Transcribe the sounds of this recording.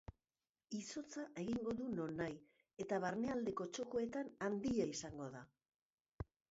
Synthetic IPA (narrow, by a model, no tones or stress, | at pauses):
iso̞t͡saʔe̞ɣiŋɡo̞ðuno̞naj | e̞t̪aβaɾne̞ald̪e̞ko̞t͡ʃo̞ko̞e̞t̪anand̪iaisaŋɡo̞ða